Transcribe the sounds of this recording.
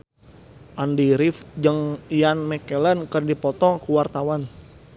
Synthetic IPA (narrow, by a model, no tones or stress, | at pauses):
ʔandiɾifd͡ʒəŋjanmɛkɛlənkərdipɔt̪ɔkuwart̪awan